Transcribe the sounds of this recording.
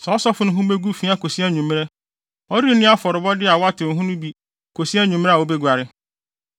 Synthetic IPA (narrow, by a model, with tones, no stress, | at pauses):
sɛ˨ɔ˦sɔ˦fʊ˦nʊ̃˦ɦũ˦be˦ɡu˦fi˦a˦ko˨si˦a˦ɲũ˨m˦ɛ˦ | ɔ˦ɾi˦nʊ̃˦a˦fɔ˨ɾʊ˨bɔ˦dɪ˦a˨wɔ˦a˦tʰɪ̃˨ɦũ˦nʊ̃˦bi˦ | kʰo˨si˦a˦ɲũ˨m˦a˨o˦be˦ɡʷa˨ɾɪ˦